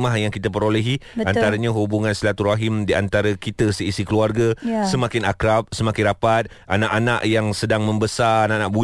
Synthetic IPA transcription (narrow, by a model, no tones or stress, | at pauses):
mahjaŋkit̪əp̬əɾoleɦiant̪aɾaɲãɦubuŋãnslat̪uraɦimdia̰nt̪aɾakit̪əsəisikəluarɡasəmãkɪnakɾap̚səmãkɪnɾapat̪̚ | ʔanaʔanaʔjaŋsədaŋmə̃mbəsaananaʔ̚bu